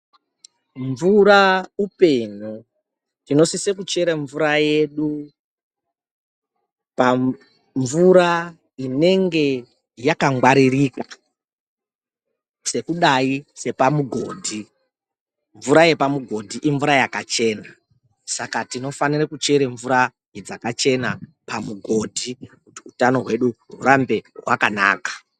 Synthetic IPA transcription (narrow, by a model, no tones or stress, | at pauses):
ɱvuɾaupeɲu | tino̞sisekut͡ʃe̞ɾeɱvuɾaje̞ɗu | pa | ɱvuɾa | ine̞ŋɡe̞ | jakaŋɡwaɾirika | se̞kuɗaise̞pamuɡʱo̞ːdʱi | ɱvuɾaje̞pamuɡʱo̞dʱiʔiɱvuɾajakat͡ʃe̞ːna | sakatino̞fanirekut͡ʃe̞ɾeɱvuɾa | jed͡zakat͡ʃe̞na | pamuɡʱo̞dʱikutiutano̞ɦwe̞ɗuɦṵɾambe̞ɦwakana̰ːkḁ